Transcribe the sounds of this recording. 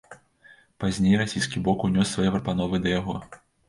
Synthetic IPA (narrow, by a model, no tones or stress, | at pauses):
pazʲnʲejrasʲijskʲibɔkunʲɔsːvajɛpɾɐpan̪ɔvɨd̪ɐjaɣɔ